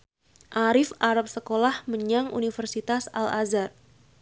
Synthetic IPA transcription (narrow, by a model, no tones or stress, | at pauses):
ʔaɾɪfaɾap̚səkolahməɲaŋṵnifərsit̪asa̰lazar